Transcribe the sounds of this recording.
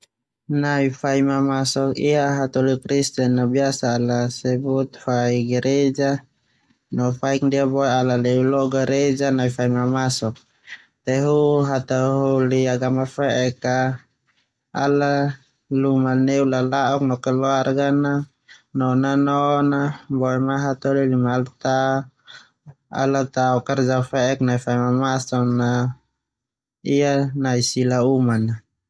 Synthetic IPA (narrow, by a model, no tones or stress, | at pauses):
naifaimamasɔkḭaɦat̪ɔlikɾist̪ɛnːabiasaːlasɛbut̪̚faiɡɛɾed͡ʒa | nɔfaik̚diabɔɛalalɛulɔɡaɾed͡ʒanaifaimamasɔk̚ | t̪ɛɦuɦat̪aɦuliaɡamafɛʔɛka | a̰la | lumaneulalaʔuk̚nɔkɛlɔarɡana | nɔnanɔnabɔɛmaɦat̪olilimalt̪a | a̰lat̪aukard͡ʒafɛʔɛknaifaimamasɔna | ijanaisilaumana